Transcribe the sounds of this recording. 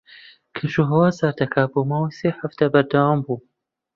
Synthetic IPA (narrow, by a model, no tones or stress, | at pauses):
kʰɨʃuɦɐwaːzaːɾt̪ɐkʰaboːmaːwajseːħaft̪abɐɾd̪awambuː